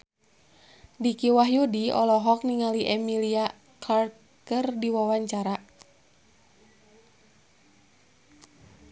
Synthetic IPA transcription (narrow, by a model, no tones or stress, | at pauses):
dikiwaɦjudiɔ̰lɔɦɔk̚niŋaliʔɛmilia | klar | kərdiwawaɲt͡ʃaɾa